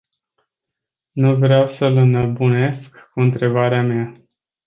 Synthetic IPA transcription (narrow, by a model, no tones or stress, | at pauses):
nuvɾeawsələnəbune̞skːuɨnt̪ɾe̞baɾeamea